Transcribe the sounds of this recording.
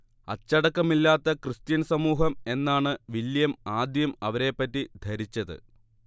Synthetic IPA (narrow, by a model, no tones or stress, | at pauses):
ɐt͡ɕːɐɽɐkːɐmilːaːt̪ːɐkrɨst̪jɐnsɐmuːɦɐme̞nːaːɳɨʋiljɐmaːd̪jɐmɐʋɐɾe̞pːɐtːid̪ʱɐɾit͡ɕːɐðɨ̰